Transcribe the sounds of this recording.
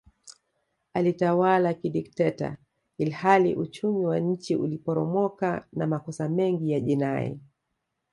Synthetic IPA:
alitawalakiɗiktɛta̰ | ilhalḭʔut͡ʃumiwaɲ̩t͡ʃiʔulipɔɾɔmɔkanamakɔsamɛŋɡijaʄinaɛ̰

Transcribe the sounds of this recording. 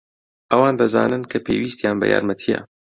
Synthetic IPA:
ʔɐwaːnd̪ɐza̰ːnɨnkʰɐpʰeːwiːst̪jaːnbɐ̰ja̰ːɾmɐt̪ʰijɐ̰

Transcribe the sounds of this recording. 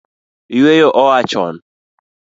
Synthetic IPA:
wejoʔɔwat͡ʃɔ̰n

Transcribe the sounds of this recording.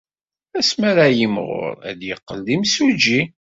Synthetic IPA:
æsmæɾajəmʁʊ̰ɾˤæ̰d̪jəqːəld̪imsud͡ʒi

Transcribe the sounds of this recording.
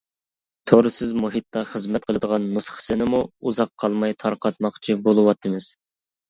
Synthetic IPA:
t̪ʰoɾɨsɪzmuɦit̪ːɑχəzmɛt̪̚qʰəlˠɨd̪əʁɑnːusχə̥sɪnɪmuuzɑqʰːɑlˠmɑjt̪ʰɑɾqʰɑt̪̚mɑqt͡ʃʰibolˠɨwɑt̪ʰːɨmɪz̥

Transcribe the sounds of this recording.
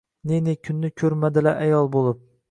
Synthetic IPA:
nenekʲʰʊnːɪkʲʰɵɾmad̪ɪlaʔajɒlˠbolˠɪp̚

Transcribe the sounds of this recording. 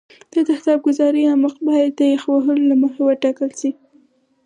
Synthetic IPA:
d̪̥əd̪axd̪ɑb̚ɡʊzɑɾəaməqbɑjad̪ːəjaxwaɦəlolaməxawəʈɑkəlʃi

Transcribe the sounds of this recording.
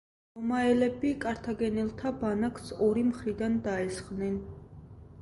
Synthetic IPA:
d̪ɔmaɛlɛbikʼaɾt̪ʰaɡɛnilˠt̪ʰabanaksɔɾimχɾid̪and̪aɛsχnɛn

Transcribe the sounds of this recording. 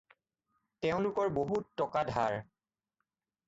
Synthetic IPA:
teʊ̃lʊkɔɹboɦutːɔkadʱa̰ɹ

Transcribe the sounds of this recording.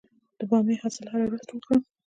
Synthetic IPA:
d̪̥əbɑmehasɪlhaɾawɾuzt̪wəkɽə

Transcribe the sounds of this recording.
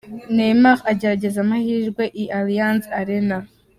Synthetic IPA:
nemaχaɟeɾaɟezamahiʒɡweʔiʔalijansaɾena

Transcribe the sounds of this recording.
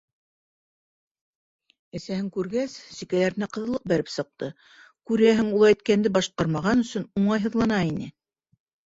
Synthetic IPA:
ɘ̆sæhɘŋkʉɾɡæssikælæɾ̆næqɤ̆ðɤ̆lˠɤq̚bæɾɘpsɤ̆q̚t̪ɤ | kʉɾæɦɘŋulˠɑjt̪kænd̪ɘbɑʃqɑɾmɑʁɑnɵ̆sɵnuɴɑjɦɤ̆ðlˠɑnɑinɘ̰

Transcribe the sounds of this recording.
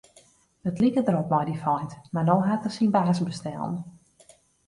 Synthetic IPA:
ətlikədəɾopmɔjdifɔjntmanowɦatəsinbaːsbəstɛ̰lˠn

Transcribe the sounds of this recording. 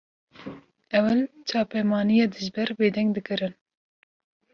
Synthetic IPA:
ɛwɨlt͡ʃʰɑːpɛmɑːnijɑːd̪ɨʒbɛɾbeːd̪ɛŋɡd̪ɨkɨɾɨn

